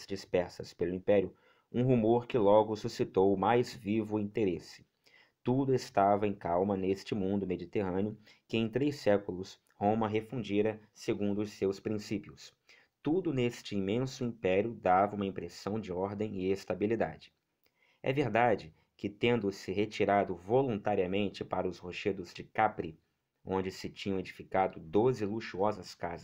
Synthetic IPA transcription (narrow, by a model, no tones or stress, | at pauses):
d͡ʒispɛɾsɐspelʊĩpɛɾiʊ | ũɦumoɾkɪlɔɡʊsusit̪owmajzvivʊĩnt̪eɾesɪ̥ | t̪ud̪ʊɪst̪avɐẽj̃kawmɐnest͡ʃɪmũnd̪ʊmed͡ʒit̪eɦɐ̃nɪʊ | kɪẽj̃t̪ɾesɛkʊlʊs | hõmɐɦefũd͡ʒiɾɐseɡũnd̪ʊʊssewspɾĩsipiʊs | t̪ud̪ʊnest͡ʃɪimẽsʊĩpɛɾjʊd̪avɐũmɐĩpɾesɐ̃w̃d͡ʒɪɔɾd̪ẽj̃ɪest̪abilid̪a̰d͡ʒɪ̥ | ɛ̰veɾd̪ad͡ʒɪ | kɪt̪ẽnd̪ʊsɪɦet͡ʃiɾad̪ʊvolũnt̪aɾiɐmẽnt͡ʃɪpaɾɐʊshoʃed̪ʊzd͡ʒɪkapɾi | õnd͡ʒɪsɪt͡ʃĩɲɐ̃w̃ed͡ʒifikad̪ʊd̪ozɪluʃuɔzɐskazɐ